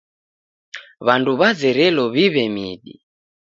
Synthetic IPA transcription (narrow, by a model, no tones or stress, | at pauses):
βanduβad͡zɛɾɛlɔβiβɛmiɗḭ